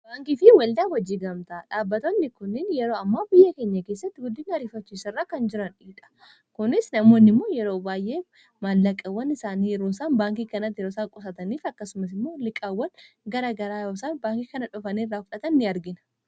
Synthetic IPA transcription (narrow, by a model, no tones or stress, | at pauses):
b̥aːŋkifɪwɐld̪aːwɐd͡ʒːiːɡɐmt̪aᶑaːbːɐt̪onːɪkʊnːɪnjɛɾo̞ːɐmːaːbɪjːɐkeːɲːɐkeːs̬ːɐt̪ːɪɡʊd̪ːɪnɐɾiːfɐt͡ʃːiːsɐrːaːkɐnd͡ʒɪɾɐniːᶑɐ̥ | kʊnɪsnɐmo̞ːnːɪmːoːjɛɾoːbaːjʔeː | malːɐkʼɐwːɐnɪsaːniːjɛɾoːsaːnbaːŋkiːkɐnɐt̪ːjɛɾoːsaːkʼɔsɐt̪ɐniːfɐkːɐsʊmɐs̬ɪmːo̞ːlɪkʼːɐwːɐn | ɡɐɾaːɡɐɾaːjoːsaːnbaːŋkikɐnɐᶑɔfɐniːrːaːfʊᶑɐt̪ɐnːɪɐɾɡɪnɐ̥